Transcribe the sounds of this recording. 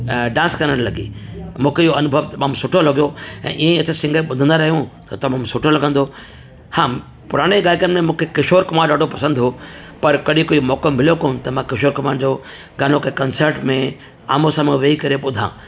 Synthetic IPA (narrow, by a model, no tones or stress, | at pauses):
ɖãːnskɐɾəɽlɐɡḭː | mũːkʰeiːjoɐnʊbʱəʋt̪ɐmãːmsʊʈʰolɐɡijoɛ̰̃ːʔiːẽɐt͡ɕəsɪ̃ŋɡəɾɓʊd̪ʱə̃nd̪aɾɐɦijũt̪ɐt̪ɐmãmsʊʈʰolɐɡʱə̃nd̪oː | hãː | pʊɾaːɽ̃eɡaːɪkənmẽmũːkʰekɪʃoːɾkɐmãːɗaːɖʱopɐsə̃nd̪ɦo | pɐɾkɐɗĩkoːimɔːkəmːɪlijokont̪ɐmãkɪʃoːɾkɐmaːɳd͡ʑoː | ɡaːnokekɐnsəɾʈmẽ | a̰ːmosãːmʋeikɐɾeɓʊd̪ʱã̰ː